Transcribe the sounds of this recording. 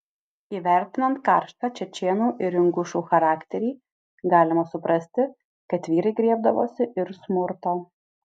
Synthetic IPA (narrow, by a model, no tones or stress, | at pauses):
iːʋʲæˑɾʲt̪ʲɪnɐnt̪kɑˑɾʃt̪ɑːt͡ʃʲɛt͡ʃʲeːnuːʔɪɾɪŋɡʊʃuːxɐɾɑːkt̪ʲɛɾʲiː | ɡɑːlʲɪmɐsʊpɾɐsʲt̪ʲɪ | kɐt̪ʋʲiːɾɐɪɡɾʲiɛbd̪ɐʋoːsʲɪʔɪɾsmʊɾt̪oː